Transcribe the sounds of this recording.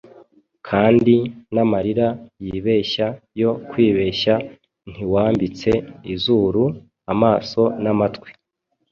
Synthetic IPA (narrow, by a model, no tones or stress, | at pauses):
kʰaːndinamaɾiɾajiːβe̞ʃajo̞kwiːβe̞ʃa | n̥iwaːmbit͡se̞izuːɾu | amaːso̞namatkwe̥